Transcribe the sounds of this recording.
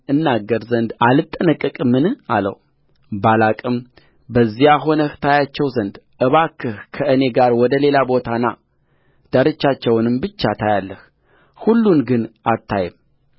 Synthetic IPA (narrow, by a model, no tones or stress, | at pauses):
ʔɨnːaɡːəɾzənd̪alɨt̪ʼːənəkʼːɨkʼɨmːɨnɨa̰lə̰w | balakʼɨm | bəzːijaɦo̞nəht̪ʰajat͡ʃːɛwzənd̪ʔɨβakʰːɨhkʰəʔɨne̞ɡaɾwɔd̪əle̞labo̞t̪ʰanːa̰ | d̪̥əɾɨt͡ʃːat͡ʃːɛwnɨmbɨt͡ʃːat̪ʰajalːəh | hulːunɡɨnat̪ʰːajɛm